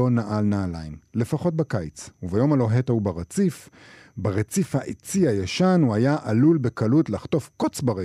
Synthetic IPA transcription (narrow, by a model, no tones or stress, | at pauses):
onaʔalnaːlajmle̞faχo̞t̚bakajt͡suvajo̞malo̞ɦetaubaʁet͡sif | baʁet͡sifhaʔet͡siajaʃanuajaʔalulbe̞kalutlaχto̞fkot͡sbaʁe